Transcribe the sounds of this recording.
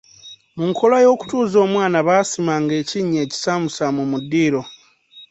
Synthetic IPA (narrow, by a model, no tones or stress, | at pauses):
muŋkʰo̞lajo̞ːku̥tuːzo̞ːmwaːnaβaːsimaŋɡe̞ːciɲːe̞ːci̥saːmusamumudːiːɾo̞